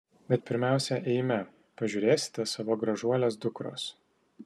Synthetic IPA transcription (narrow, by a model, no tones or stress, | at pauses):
bʲɛt̪̚pʲɪɾʲmʲæˑʊsʲɛʔɛɪmʲɛ | pɐʒʲuːɾʲeːsʲɪ̥t̪ʲɛsɑʋoːɡɾɐʒuɔlʲes̬d̪ʊkɾo̰ːs